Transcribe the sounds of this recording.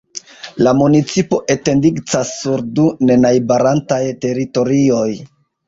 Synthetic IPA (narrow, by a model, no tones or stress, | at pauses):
lamunit͡sipo̞ʔe̞te̞ndiɡt͡sasːuɾdune̞najbaɾantajte̞ɾito̞ɾio̞j